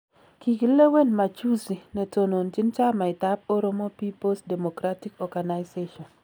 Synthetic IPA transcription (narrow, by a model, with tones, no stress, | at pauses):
ki˨ki˨le˦we˦nma˨t͡ʃu˦si˨nɛ˨to˨no˨nti˦nt͡ʃa˦ma˨ɪ˨ta˦p̚o˦ɾo˦mɔ˦pi˦po˦sde˨mo˨kɾa˦ti˦kɔ˨ɡa˨na˨jse˦ʃɔ˨n